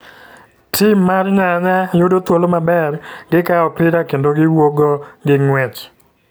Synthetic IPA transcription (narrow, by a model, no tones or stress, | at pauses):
tʰimːarɲaɲajodot̪wolomabɛrɡɪkaɔpɪɾakendoɡɪwoɡoɡɪŋwɛt͡ʃ